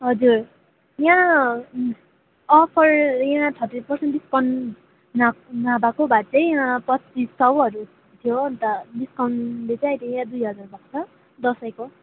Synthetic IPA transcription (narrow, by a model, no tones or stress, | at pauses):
ɦʌd͡zur | jã | ʌpʰʌrjãtʰʌt̪rispʌrsenʈd̪iskawnː | anabakobat͡sʌjjãpʌtt͡sisːʌwʌɾu | t̪ʰjont̪ʌdiskawnlet͡sãajt̪ʰijãd̪ujɦʌd͡zarbʱat͡sʰʌ | d̪ʌsʌjko